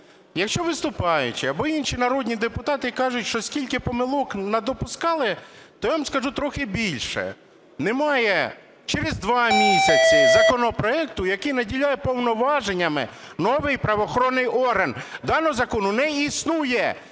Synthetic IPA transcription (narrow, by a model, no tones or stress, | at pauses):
jɐkʃt͡ʃɔʋɪst̪ʊpɑjʊ̰t͡ʃɪɐbɔinʃinɐɾɔdʲnʲid̪epʊt̪ɑt̪ɪkɑʒʊtʲʃt͡ʃɔsʲkʲilʲkɪpɔmɪlˠɔknɐd̪ɔpʊskɑlˠɪt̪ɔjaʋamskɐʒut̪ɾɔxɪbʲilʲʃɛ̰ | nɛmɑjɛ | t͡ʃeɾezd̪ʋɑmʲisʲɐt͡sʲɪzɐkɔnɔpɾɔɛk̚t̪ʊjɐkɪjnɐdʲilʲajɛpɔwnɔʋɑʒenʲːɐmɪ̰ | nɔʋɪjpɾɐʋɔxɔɾɔnːɪjɔrɦɐnd̪ɑnɔɔzɐkɔnʊnɛisnujɛ